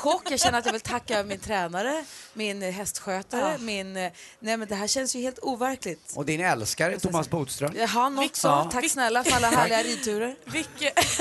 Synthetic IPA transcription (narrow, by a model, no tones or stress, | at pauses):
kʰɔkːjɑɡɕɛnːəɾat̪javɪlt̪ʰakːaœvəmɪnt̪ʰɾɛːnaɾəmɪnɦɛst̪ɧøːt̪aɾəmɪnnɛjmɛnd̪ɛɦæːɕɛnsjɵheːlt̪uːvæɾklɪt̪ɔd̪ɪnɛlskaɾət̪ʰʊmasbuːd̪st̪ɾœmjaɡɦanɔt̪sɔt̪ʰaksnɛlːafœɾalːaɦæːɭɪɡaɾiːt̪ʰʉ̟ːɾəɾvɪkːə